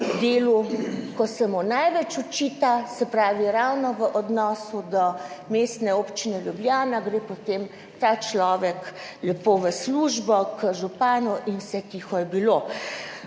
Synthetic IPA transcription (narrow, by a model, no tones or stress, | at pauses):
d̪eːlukɔsɛmunajʋɛt͡ʃut͡ʃit̪asɛpɾaːʋiɾawnɔʋəʔɔd̪nɔːsud̪ɔmeːst̪nɛoːpt͡ʃinɛljublʲjaːnaɡɾeːpɔt̪em | t̪aːt͡ʃlɔːʋɛklɛpoʋəsluːʒbɔkəʒupaːnuʔinwsɛkixɔjɛbilo